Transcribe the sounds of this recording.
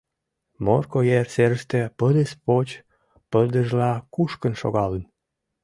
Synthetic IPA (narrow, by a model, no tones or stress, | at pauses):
morkojerseɾəʃt̪ĕpəd̪espot͡ɕ | pəld̪əʒlɑkuʃkənʃo̰ɣɑlən